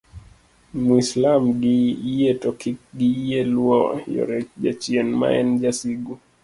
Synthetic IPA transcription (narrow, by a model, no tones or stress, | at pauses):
muislamɡiiɛtɔkik̚ɡiiɛluɔjɔ̰ɾɛʄat͡ʃiɛnma̰ɛnd͡ʒasiɡu